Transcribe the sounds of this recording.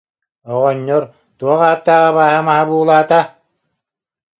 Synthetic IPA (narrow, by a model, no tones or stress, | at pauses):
ɔʁɔɲːɔɾ | t̪uɔχaːp̚t̪ːaːʁabaːɦamaɦabuːlˠaːt̪a